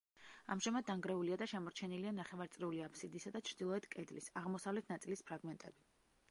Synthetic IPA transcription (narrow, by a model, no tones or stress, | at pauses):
a̰mʒamad̪̚dːaŋɡɾɛuliad̪aʃɛmɔɾt͡ʃʰɛnilianaχɛvaɾt̪sʼɾiuliapʰsid̪isad̪at͡ʃʰɾd̪ilˠɔɛt̪kʼɛd̪lisaʁmɔsavlɛt̪ʰnat̪sʼilispʰɾaɡmɛnt̪ʼɛbi